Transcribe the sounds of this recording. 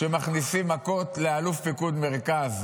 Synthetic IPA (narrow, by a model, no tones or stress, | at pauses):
ʃemaχnisimːako̞t̪lealufpikud̪meʁkaz